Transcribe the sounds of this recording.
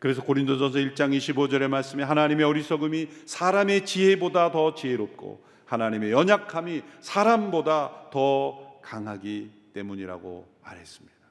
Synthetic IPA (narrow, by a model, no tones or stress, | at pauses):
kɯɾe̞s̬ʰʌkoɾindos̬ʰʌns̬ʰʌiɭt͡ɕ͈aŋiɕʰibod͡ʑʌɾe̞maɭs͈ɯmeɦanaɲime̞ʌɾisʰʌɡɯmisʰaɾame̞t͡ɕiɦe̞bodatʌt͡ɕiɦe̞ɾop̚k͈o̰ | hanaɲime̞jʌɲakʰamisʰaɾambodatʌkaŋɦaɡit͈e̞muɲiɾa̰ɡo̰ | ma̰ɾɦe̞s͈ɯ̥mɲid̥ḁ